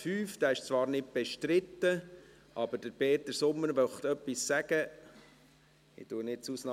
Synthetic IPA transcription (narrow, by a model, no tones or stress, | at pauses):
fyːfd̪̥æːɪʃt͡sʋɑːɾnɪt̚b̥ɛʃtɾɪt̪ːə | ʔɑbəɾd̥əɾpeːt̪ːəɾsʊmːəɾʋœχt̪œpːissæɡ̥ə | ɪ̰tuənɪtt͡susnɑ